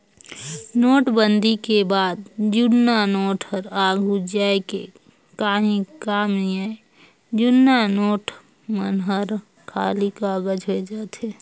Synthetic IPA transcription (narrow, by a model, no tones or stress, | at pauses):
noːʈbənd̪ʱikebaːd̪̚d͡ʒʊnːanoːʈʰəɾaːɡɦud͡ʒaːekḛ | kaːɦĩkaːmia | d͡ʒʊnːanoːʈ | mənɦəɾ | kʰa̰ːlikaːɡəd͡ʒɦoed͡ʒaːt̪ɦeː